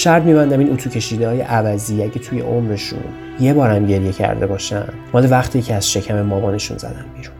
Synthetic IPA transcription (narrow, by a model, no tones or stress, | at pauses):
ʃæɾd̪miːbænd̪æminʔut̪ʰuːcʲʰe̞ʃiːd̪ehɒːjḛʔævæziæɟet̪ʰuje̞̰ʔomɾe̞ʃṵn | je̞bɒːɾæmɟe̞ɾje̞cʰæ̰ɾd̪e̞bɒːʃæ̰n | mɒːlevæχt̪ʰiːcʰeæz̥ʃe̞cʰæmemɒːbɒːne̞ʃṵnzæ̰d̪ænbiːɾun